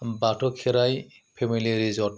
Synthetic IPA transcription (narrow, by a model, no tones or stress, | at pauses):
batʰɔkʰːɛɾaj | pʰemiliɾizɔt